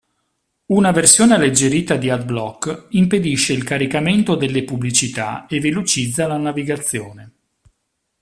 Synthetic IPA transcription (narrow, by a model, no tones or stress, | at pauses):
unaversjoːnealːed͡ʒːeɾiːt̪ad̪iad̪̚blɔkːimped̪iʃːeilkaɾikament̪od̪elːepublit͡ʃit̪a̰evelot͡ʃid̪zːalanaviɡat̪sːjoːne